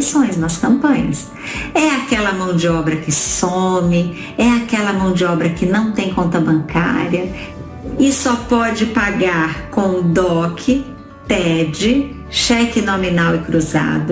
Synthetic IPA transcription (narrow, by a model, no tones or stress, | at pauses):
sõj̃znɐskɐ̃mpɐ̃ɲɐs | ɛakɛlɐmɐ̃w̃d͡ʒɪɔbɾɐkɪsomɪ | ɛakɛlɐmɐ̃w̃d͡ʒɪɔbɾɐkɪnɐ̃w̃t̪ẽj̃kõnt̪ɐbɐ̃ŋka̰ɾiɐ | ɪsɔpɔd͡ʒɪpaɡaɾkõw̃d̪ɔkʰɪ | t̪ɛd͡ʒɪ | ʃɛkɪnominawɪkɾuza̰d̪ʊ